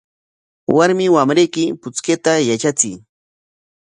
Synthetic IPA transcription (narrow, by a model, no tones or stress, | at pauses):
waɾmɪwamɾejkɪpʊt͡sket̪ajat͡ʃat͡sɪj